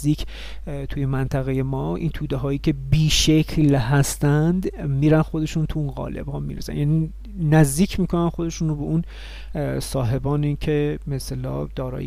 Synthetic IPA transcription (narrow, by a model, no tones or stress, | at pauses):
d̪iːkʰ | t̪ʰuːjemænt̪ʰæɣeje̞mɒːʔḭnt̪ʰuːd̪eɦɒːjiːcʲʰe̞biːʃecʰlɦæst̪ænd̪miːɾænxo̞d̪e̞ʃunt̪ʰuunɣɒ̰ːlḛb̥hɒːmḭːɾesæ̰njæniː | næzd̪iːcʰmiːkʰo̞nænxo̞d̪e̞ʃuːnrobeʔun | sɒːɦe̞bɒːneiːcʰebeselɒ̰ːd̪̥ɒːɾɒ̰ːj